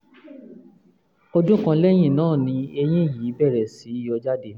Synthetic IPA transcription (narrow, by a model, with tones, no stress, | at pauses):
o˧dũ˦kã˧lɛ˦j̃ĩ˦˨nãː˦˨nĩ˧e˧j̃ĩ˦˨jiː˨˦bɛ˦˨ɾɛ˨si˨˦i˦˧jɔ˧d͡ʒa˦de˧˦